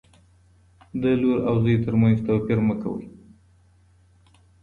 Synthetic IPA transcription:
d̪əloɾawzəjt̪əɾmanzt̪awpiɾməka̰wə̰j

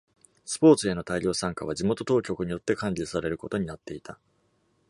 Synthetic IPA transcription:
sɨ̥po̞ːt͡sɨe̞no̞t̪aiɾʲo̞ːsãŋkaβ̞ad͡ʑimo̞t̪o̞t̪o̞ːkʲo̞kɯ̟ɲ̟ijo̞t̪ːe̞kãɲ̟d͡ʑisaɾe̞ɾɯ̟ko̞t̪o̞ɲ̟inat̪ːe̞it̪a

